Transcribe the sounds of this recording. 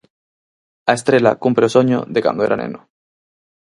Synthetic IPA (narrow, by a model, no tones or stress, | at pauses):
aest̪ɾela̰kumpɾeosoɲo̰ðeka̰nd̪oeɾanḛ̃no